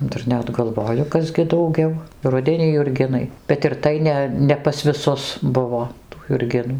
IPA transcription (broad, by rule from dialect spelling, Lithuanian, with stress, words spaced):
ˈdɐr ˈnʲɛt ɡɐlˠˈʋoːjʊ ˈkɐs ɡʲɪ dɐʊˈɡʲɛʊ ˈrʊdʲɛnʲiː jʊrʲˈɡʲɪnɐɪ bʲɛt ɪr ˈtɐɪ nʲɛ ˌnʲɛ pɐs ʋʲɪˈsʊs ˈbʊʋoː tuː jʊrʲˈɡʲɪnuː